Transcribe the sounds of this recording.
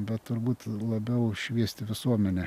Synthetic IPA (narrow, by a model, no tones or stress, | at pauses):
bʲɛt̪t̪ʊɾbuːt̪lˠɐbʲɛʊʃʲʋʲiɛsʲt̪ʲɪʋʲɪsuɔmʲɛnʲɛ